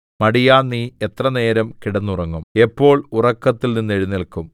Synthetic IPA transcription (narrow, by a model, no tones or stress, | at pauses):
mɐɽijaːnːiːet̪rɐne̞ːɾɐmkiɽɐnːurɐŋːume̞pːo̞ːɭurɐkːɐt̪ːilninːeɻinːilkum